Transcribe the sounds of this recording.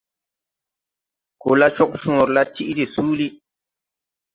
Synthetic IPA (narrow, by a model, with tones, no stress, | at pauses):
ko˨la˦t͡ʃɔ˦k̚ʃũ˨o˨ɾla˦tʰi˦ʔde˨suː˦li˦